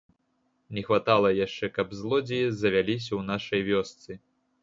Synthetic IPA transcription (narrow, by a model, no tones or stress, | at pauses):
nʲɛxvat̪alˠɐjaʂt͡ʂɛkɐbzlˠɔd͡zʲijizɐvʲalʲis̬ʲɐwnaʂɐjvʲɔst̪sɨ